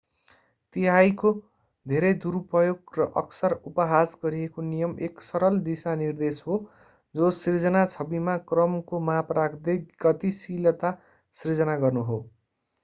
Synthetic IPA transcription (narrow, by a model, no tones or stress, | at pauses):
t̪iɦajko | d̪ʱeɾʌjd̪uɾpʌjoɡrʌʔʌksʌrupʌɦad͡zɡʌɾijekonijʌmeksʌɾʌld̪isanird̪esɦo | d͡zosird͡zʌnat͡sʰʌbimakrʌmkomaprakd̪eɡʌt̪isilʌt̪a | srid͡zʌnaɡʌrnuɦo